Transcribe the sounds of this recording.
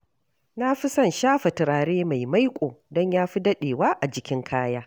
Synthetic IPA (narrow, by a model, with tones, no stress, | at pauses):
na˦ɸi˦sɐ˦˨nʃaː˦ɸɐ˨tɪ˨ɾaː˨ɽeː˦ma˨jma˦jkʷʼoː˨dɔ˦ɲjaː˦ɸi˦dɐ˦ɗeː˨waː˦ʔa˨d͡ʒɪ˦kʲɪ˦ŋkʰaː˦jaː˦